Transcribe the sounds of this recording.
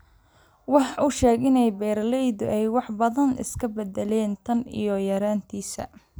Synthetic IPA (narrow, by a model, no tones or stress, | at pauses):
wɑħɑʊʃɛːɡɪnɛjbɛːɾlɛjðʊʔɛjwɑħbɐðɐnʔɪ̰skʰɐbɛðɛlɛːnt̪ʰɐnḭjɔjɐɾaːnt̪ʰiːsɐ̰